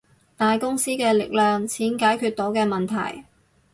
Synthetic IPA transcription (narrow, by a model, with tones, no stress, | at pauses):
t̪aː˨jkʊ˥ŋsiː˥kɛː˧lɪ˨k̚lœː˨˧ŋt͡sʰiː˨˥nkaː˨˥jkʰyː˧t̪̚ɔː˨˥wkɛː˧mɐ˨nt̪ʰɐ̰˨˩j